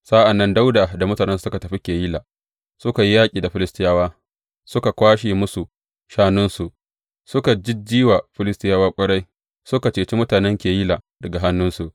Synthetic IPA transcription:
sa˦ʔa˨nːɐ˦nda˦wdaː˨da˨mʊ˦taː˨nɛ˦nsu˨sʊ˦ka˨tɐ˨ɸi˦kʲeː˨jiː˦laː˨ | sʊ˦ka˨ji˦jaː˦kʲʼiː˨da˨ɸɪ˦lɪ˦stɪ˦jaː˦waː˦ | sʊ˦ka˨kʷaː˦ʃiː˨mʊ˦su˨ | ʃaː˦nʊ˦nsu˨ʔ | sʊ˦ka˨d͡ʒɪ˦d͡ʒiː˦wa˨ɸɪ˦lɪ˦stɪ˦jaː˦waː˦kʷʼɐ˦ɽa˦j | sʊ˦ka˨t͡ʃeː˨t͡ʃi˦mʊ˦taː˨nɛ˦ŋkʲeː˨ji˦laː˨ | dɐ˨ɡa˨ɦa˦nːʊ˦nsu˨ʔ

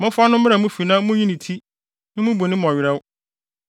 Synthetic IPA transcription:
mʊ̃˦fʊ˦a˦nʊ̃˦mɪ̃˦ɾa˨mũ˦fi˨nã˦mʊ̃˦ji˦nɪ̃˨tʰi˦ | nɪ̃˦mũ˦bo˨nɪ̃˦mʊ̃˨ɔ˨ɥɪ˨ɾɛ˦wʊ˦

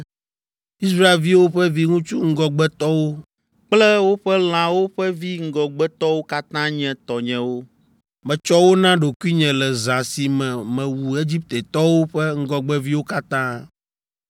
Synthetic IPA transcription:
i˦sɾa˦e˨lvi˦wo˦ɸɛ˦vi˦ŋũ˦t͡ʃu˦ŋ̩˦ɡɔ˦ɡ͡bɛ˦t̪ɔ˦wo˦ | k͡plɛ˦wo˦ɸɛ˦l̃ã˨wo˦ɸɛ˦vi˦ŋ̩˦ɡɔ˨ɡ͡bɛ˦t̪ɔ˦wo˦ka˦t̪ã˦ɲɛ̃˨t̪ɔ˨ɲɛ̃˨wo˦ | mɛ̃˨t͡ʃɔ˦wo˦nã˦ɖo˨ku˦i˦ɲɛ̃˨lɛ˨zã˨si˨mɛ̃˨mɛ̃˨wu˨e˦d͡ʑi˦p̚t̪e˨t̪ɔ˦wo˦ɸɛ˦ŋ̩˦ɡɔ˦ɡ͡bɛ˦vi˦wo˦ka˦t̪ã˦

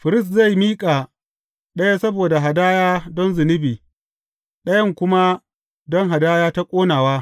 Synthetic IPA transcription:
ɸɪ˨ɾɪ˦stza˦˨jmiː˦kʼaː˨ | ɗɐ˦ja˦sɐ˦boː˨da˨ɦa˨daː˦jaː˦dɔ˦nzɪ˨nɪ˦biː˨ | ɗɐ˦jɐ˦˨ŋkʷʊ˦ma˦ | dɔ˦ŋɦa˨daː˦jaː˦ta˦kʷʼoː˦naː˨waː˦

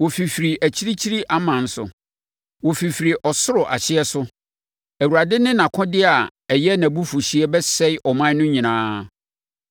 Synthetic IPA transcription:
wo˨fi˨fɾi˨ʔæ˨t͡ɕʰi˦ɾi˦t͡ɕʰi˦ɾi˦ʔa˦mã˨n̩˦sʊ̰˨ | wɔ˨fi˨fɾi˨ʔɔ˨sʊ˦ɾʊ˨ʔa̰˨ɕɪ˦ɛ˦sʊ˦ | æ˨wu˨ɾa˨dɪ˦nɪ̃˦nã˨kʰɔ̃˦dɪ˦a˨ɛ˨jɛ˦nã˨bu˦fu˨ɕi˦ɛ˦bɛ˦sɛ˦ɪ˦ʔɔ˨mã˦nʊ̃˦ɲĩ˨nãː˦

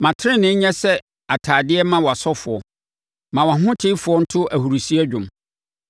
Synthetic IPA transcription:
mã˨tʰɪ˦ɪ̃˦nɪ̃˦ɲɛ̃˦sɛ˦ | a˨tʰaː˨dɪ˦ɛ˦mã˦wɔ˨a˨sɔ˦fʊ˨ɔ˨ | mã˨wã˨ɦʊ̃˦tʰɪ˦fʊ˨ɔ˦n̩˦tʰʊ˦ʔæ˨hu˨ɾu˨si˦æ˦d͡ʑᶣʊ̃˨m

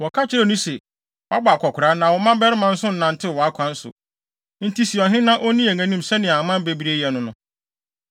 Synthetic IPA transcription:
wɔ˨kʰa˦t͡ɕʰɪ˦ɾɛ˦˨nũ˦sɛ˨ | wa˦ba˨kʰɔ˨kʰʊ˨ɾa˦nã˨wɔ˨mã˦bɛ˦ɾɪ˦mã˦n̩˦sʊ̃˦n̩˦nã˨n˨tʰɪ˦˨wɔ˨a˦kʷʰã˨n̩˦sʊ̰˨ | n̩˦tʰi˦si˨ɔ˨ɦɪ̃˦nã˦ʔɔ˦nĩ˦e˨ŋæ̃˨nĩ˦msɛ˦nɪ̃˨a˨mã˦m˦be˦bi˦ɾe˦jɛ˨nʊ̃˨nʊ̃˨˦

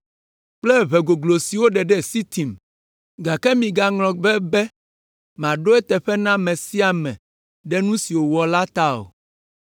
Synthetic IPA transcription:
k͡plɛ˦βɛ˨ɡo˨ɡlo˨si˨wo˦ɖɛ˨ɖɛ˦˨si˦t̪i˨m | ɡa˨kɛ˦mĩ˨ɡa˨ŋlɔ̃˨bɛ˦bɛ˦ | m˨ã˨ɖo˦ɛ˦t̪ɛ˨ɸɛ˦nã˦mɛ̃˨si˦a˨mɛ̃˨ | ɖɛ˦nũ˦si˨wo˨wɔ˨la˦t̪a˦o̰˨

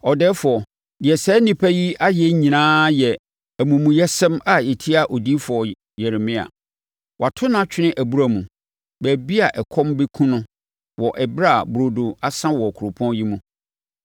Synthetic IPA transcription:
ɔ˨dɛː˦fʊ˨ɔ˨ | dɪ˨ɛ˨sɛː˨˦nĩ˦pʰæ˦ji˦a˦jɛ˦ɲĩ˨nãː˦jɛ˨ | æ˨mũ˨mũ˨jɛ˦sɛ̃˦ma˦˨ɪ˨tʰɪ˦a˨ʔo˨di˦fʊ˨ɔ˨ | jɛ˨ɾɪ˨mɪ̃˦a̰˨ | wʔa˨tʰʊ˦nã˦t͡ɕᶣʰɪ˦nɪ̃˦ʔæ˨bu˦ɾa˨mũ˨ | bæ˨bi˦a˨ʔɛ˨kʰɔ̃˦mbɪ˦kʰũ˦nʊ̃˦ | wɔ˨ʔɛ˨bɾa˦˨bɾo˨do˨a˨sã˦wɔ˨kʰʊ˨ɾʊ˨pʰɔ̃˦n˦ji˦mũ˦

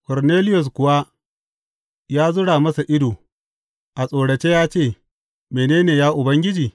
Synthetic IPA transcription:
kɔ˨ɾneː˦lɪ˦jʊ˨s̬kʷʊ˨wa˦ | jaː˦zʊ˦ɽaː˨mɐ˦sa˨ʔɪ˦doː˨ | ʔa˨sʼoː˨ɽɐ˨t͡ʃeː˦jaː˦t͡ʃeː˦˨ | meː˨neː˦neː˨jaː˦ʔʊ˨bɐ˦ŋɡʲɪ˦d͡ʒiː˨

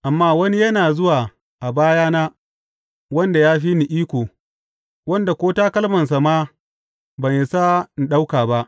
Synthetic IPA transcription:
ʔa˨mːaː˦wɐ˦ni˦jɐ˦naː˨zʊ˦waː˨ | ʔa˨baː˦jaː˦naː˦ | wɐ˦nda˨jaː˦ɸiː˦ni˨ʔiː˦kʷoː˨ | wɐ˦nda˨kʷoː˦taː˦kɐ˦lmɐ˨ns̬a˨maː˦ | bɐ˨nje˨sa˦n˨ɗa˦wkaː˨ba˦ʔ

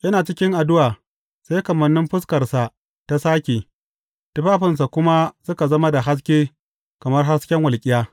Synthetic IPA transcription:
jɐ˦naː˨t͡ʃɪ˦kʲɪ˦ŋʔa˨dʊ˦waː˨ | sa˦jkɐ˨mɐ˨nːɪ˦mɸɪ˦skɐ˨rsa˨ | ta˨saː˦kʲeː˨ | tʊ˦ɸaː˦ɸɪ˨ns̬a˨kʷʊ˦ma˦sʊ˦ka˨zɐ˦ma˦da˨ɦa˦s̬kʲeː˦ | kɐ˨mɐ˦rɦa˦skʲɛ˦ŋwɐ˨lkʲʼɪ˦jaː˦

